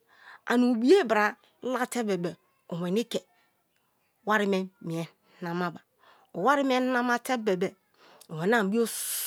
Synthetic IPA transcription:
a̰˨nu˨bi˦e˦˨bɾa˨˦ | la˦te˦be˨be˨ | o˨we˨ni˦ke˨ | wa˦ɾi˦me˦mi˨e˨˦ | na˨ma˦ba˨ | o˨wa˦ɾi˦m˦e˦na˦ma˦te˦be˨be˨ | o˨we˨n˦a˦m˨bi˦o˦

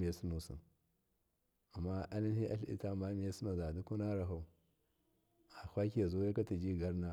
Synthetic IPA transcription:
i˨ja˨si˦nu˨sḭ˨n | a˨mːa˦a˦li˦nhi˦ʔa̰˦ɬḭ˦ta˦ma˦mi˨ja˦si˦na˨za˨du˦ku˦na˦ɾa˨ɦa˨u˨ | a˨hʷa˦ki˦ja˨zu˦ja˦ka˦ti˨d͡ʒi˦ɡa˦ɾna˦

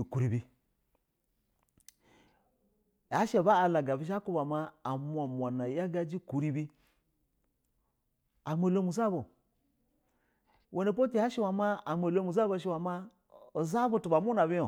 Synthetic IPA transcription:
ku˨ɾi˨bi˨ | a˨˦ʃe˨ba˦a˨la˨ɡa˨bi˦ʃ̬a˦ku˦ba˨ma˦a˨mʷ˦a˨mʷ˨a˨na˨ja˦ɡa˦d͡ʒi˦ku˨ɾi˦bi˦ | a˨mʷe˨lo˦mu˨za˦bo˨ | wʔo˨ne˨p̬o˦ti˨a˦ʃi˦wa˨ma˦a˨mʷe˨lo˦mu˨za˦bo˦˨ʃ̬i˦˨wa˨ma˦ | o˨za˦bo˦tu˨ba˨mu˦na˨bi˦jo˨

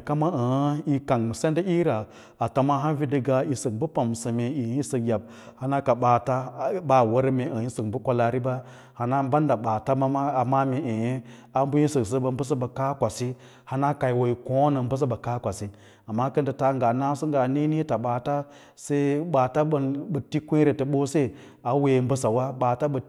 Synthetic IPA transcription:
ka˦ma˦ə˨˦i˨ka˨ŋ˨se˦n˦də˦i˦ɾa˨ | a˨ta˨ma˦ɦa˦n˦vi˦di˨ɡa˨i˨sə˨k̚bu˦pa˨msə˨me˨i˨˦i˦sə˨kja˨b̚ | ha˦na˦ka˨ɓaː˨ta˦ba˦˨wa˦ɾme˨ə˨ji˦sə˨k̚bu˦kʷa˦la˨ɾi˦ba˦ | ha˨na˦ba˦n˦da˨ɓa˨ta˦ma˦ma˦a˨ma˦me˨ʔe˨je˦ | a˦mbu˦ji˦sɨ˨ksə˦ba˨m˦bə˦s̬ə˦ba˨ka˦kʷa˨si˦ | ha˦na˦ka˨i˨wo˨i˨ko˦nə˨m˦bə˦s̬ə˦ba˨ka˦kʷa˨si˦ | a˨mːa˦kə˦ndə˨ta˨˦ŋɡa˨na˦su˦ŋ˦ɡa˨ne˦ni˦ta˨ɓa˨ta˦ | se˦i˦ɓa˨ta˦ə˨bə˨ti˦kʷe˦ɾe˨tə˨ɓo˦se˦˨ | a˨we˨m˦bə˦sa˨wa˦ɓaː˨ta˦bə˨

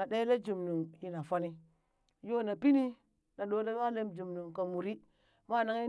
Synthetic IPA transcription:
a˨de˦le˦d͡ʒu˨mnu˨ŋji˦na˨fo˦ni˦ | jo˦na˨pi˦ni˦ | na˨ɗo˦da˦a˦le˦md͡ʒu˨mnu˨ŋka˨mu˨ɾi˦ | ma˦˨na˦ŋi˦

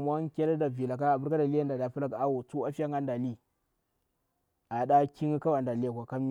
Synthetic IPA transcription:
m˦a˦ŋkʲe˦lda˨vi˨la˨ka˦a˨bu˦ɾka˦da˨li˦ja˦nda˨da˨fu˦la˦ka˦wo˨tu˦a˦fi˦ja˦ŋa˦nda˨li˦ | ʔa˨ɗa˦kʲi˦ŋ˦ka˦wa˨nda˨li˦a˨kʷa˨ka˦m˦

